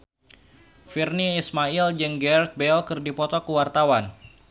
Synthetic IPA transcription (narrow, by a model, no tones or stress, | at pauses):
firniːsmaild͡ʒəŋɡɛrt̪̚bɛlkɨrdipɔt̪ɔkəwart̪awan